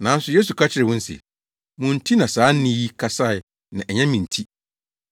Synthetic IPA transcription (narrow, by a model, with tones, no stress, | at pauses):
nã˨˦n̩˦sʊ˨je˦s̬u˨kʰa˦t͡ɕʰɪ˨ɾɪ˨wʊ̃˦n̩˦sɪ̰˨ | mũ˨n̩˨tʰi˦nã˨saː˨˦n̩˦nĩ˦ji˦kʰa˨sa˦˨ɪ˨ | nã˨ʔɛ˨ɲɛ̃˦mĩ˨n˨tʰi˦